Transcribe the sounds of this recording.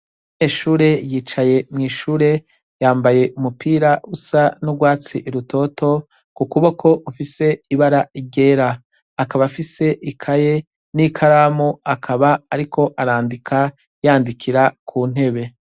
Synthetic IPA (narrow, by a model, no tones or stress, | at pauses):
neʃuːɾe̞jiːt͡ʃaje̞mŋiːʃuːɾe̞ | jaːmbaje̞ʔumupiːɾaʔusanuɡwaːt͡sḭʔiɾuto̞to̞ | kukuβokʰo̞ʔufise̞iβaɾaiɟe̞ːɾaː | kaβafise̞ʔikʰaje̞ | nikʰaɾaːmuakʰaβaːɾikʰo̞ʔaɾaːndikʰa | jaːndikʰiɾakʰuːn̥e̞βe̞